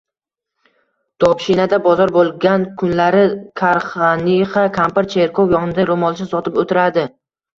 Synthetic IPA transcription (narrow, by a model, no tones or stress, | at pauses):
d̪̥ɒpʃinad̪abɒzɒɾbolˠɡʲankʰʊnlaɾɪkʰaɾχaniχɑkʰampaɾt͡ʃʰeɾkʰowjɒʁnɪd̪aɾomɒlˠɪʃɪsɒt̪ʰɪpot̪ʰɪɾad̪ɪ